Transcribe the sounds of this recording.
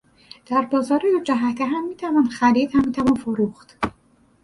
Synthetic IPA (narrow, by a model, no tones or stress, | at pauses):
d̪̥æɾbɒːzɒːɾijod͡ʒæɦæt̪ʰeɦæmːiːt̪ʰævɒːnxæɾiːd̪hæmːiːt̪ʰævɒnfoɾuːxt̪